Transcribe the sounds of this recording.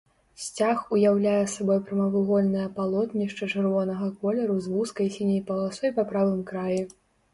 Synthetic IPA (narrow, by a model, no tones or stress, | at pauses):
sʲt͡sʲaxujawlʲajɛsabɔjpɾɐmɐvɨɣɔlʲnɐjɐpalˠɔt̪nʲiʂt͡ʂɐt͡ʂɨrvɔnɐɣɐkɔlʲɛɾuzvuskɐjsʲinʲɐjpɐlˠasɔjpapɾavɨmkɾaji